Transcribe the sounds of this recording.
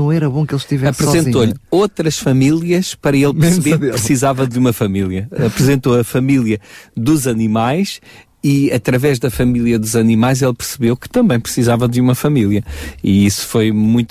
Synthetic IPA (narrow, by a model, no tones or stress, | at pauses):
ɐ̃w̃ɛɾɐβõkelˠʃt̪ivɛɐspɾɨszẽnĩt̪oʎot̪ɾɐʃfɐmilˠiɐʃpɐɾɐelˠpsβeɾðepɾɨssizavɐ̃d̪umɐfɐmilˠiɐɐpɾɨzẽnt̪oɐfɐmilˠjɐd̪uzɐnimajʃ | iɐt̪ɾɐvɛʒðɐfɐmilˠjɐðuzɐnimajzelˠpɨɾsɨβewkɨ̥t̪ɐ̃mbɐ̃j̃pɾsizavɐd̪umɐfɐmilˠjɐiisu̥fojmũj̃t̪